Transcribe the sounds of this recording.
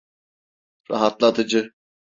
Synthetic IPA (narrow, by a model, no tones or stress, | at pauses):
ɾa̰ɦat̪lˠat̪ʰɯd͡ʒɯ